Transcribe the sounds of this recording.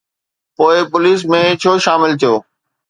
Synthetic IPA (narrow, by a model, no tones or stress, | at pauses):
poːɪpʊliːs̬mẽt͡ɕʰoːʃaːmɪlt̪ʰijoː